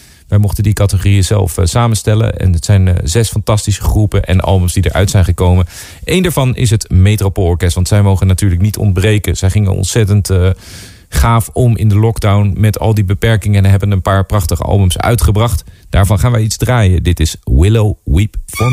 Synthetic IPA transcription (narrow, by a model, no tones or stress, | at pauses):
ʋɛjmɔχtəndikɑtəχorijəzɛ̰lˠfsaːmənstɛlə̰ɛ̰nətsɛjnzɛsfɑntɑstisəχrupənʔɛ̰nʔɑ̰lˠbəmzdidə̰ɹʔœ̰ɥtsɛjnχəkowmən | ejndaːɹvɑnɪ̰s̬ɦətmejtropolˠɔɹkɛstʋɑntsɛjmowχənatyːɹləknitʰɔ̰ndbrejkənz̥ɛjχɪŋə̰nɔ̰ntsɛtənt | χaːfɔmɪ̰ndəlɔɡdawnmɛtɑ̰lˠdibəpɛɹkɪŋənɦɛbənənpaːɹprɑχtəχə̰ɑ̰lˠbəmsœ̰ɥtχəbrɑχtd̥aːɹvɑnχaːnʋɛjidzdraːjədɪtɪswɪlowwipfɔ